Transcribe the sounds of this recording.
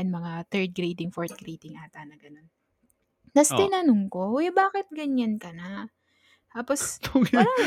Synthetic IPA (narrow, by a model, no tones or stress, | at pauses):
ɐnmɐŋat̪ɛɹd̪̚ɡɾiːd̪ɪŋfoɹt̪̚ɡ̥ɾiːd̪ɪŋʔaːt̪ɐnɐɡɐno̞nː | ɐst̪ɪnɐnʊŋko̞wɛbaːkɪt̪̚ɡɐɲːankɐna | t̪aːpost̪uɡ